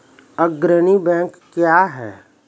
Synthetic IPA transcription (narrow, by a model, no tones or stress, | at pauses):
əɡɾənibɛ̃ːŋkːjaːɦɛ̰ː